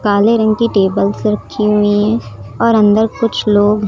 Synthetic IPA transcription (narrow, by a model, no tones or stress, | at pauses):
kaːleɾə̃ŋɡkiʈeːbəlsɾɐkʰːiɦʊiɦɛ̃ɔːɾɐ̃nd̪əɾkʊt͡ʃʰloːɡɦ